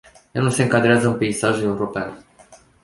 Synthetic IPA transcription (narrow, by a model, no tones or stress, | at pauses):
januse̞ɨŋkad̪ɾeazəɨnpe̞isaʒue̞uɾo̞pea̰n